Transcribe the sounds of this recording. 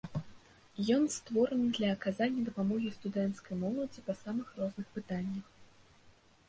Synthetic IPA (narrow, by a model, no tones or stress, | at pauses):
jɔnst̪vɔɾɨnɨd̪lʲɐːkazanʲːɐd̪ɐpamɔɣʲist̪ud̪ɛnt̪skɐjmɔlˠɐd͡zʲipɐsamɨxrɔznɨxpɨt̪anʲːɐx